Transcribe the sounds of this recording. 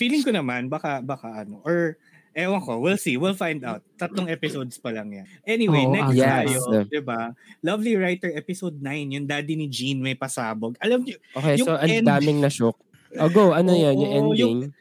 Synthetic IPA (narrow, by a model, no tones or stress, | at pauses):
fiːlɪŋkonɐmanbaːkɐbaːkɐʔɐnoʔoɹ | ʔɛwɐŋkowilsiwilfajnd̪awt̪̚ːɐt̪loŋʔɛpɪsowd̪spɐlɐŋjanʔɛniwejnɛsjɛajod̪ɪbalɐvliɹajt̪ɛɹɛpɪsowd̪̚najnjʊnd̪aːd̪ɪnid͡ʒinmɐjpɐsaːboɡʔɐlɐmjʊoːkejjʊsoʔɐnd̪aːmɪŋnɐʃok̚ | oɡowʔɐnojonjʊŋʔɛnjd̪ʊɪŋ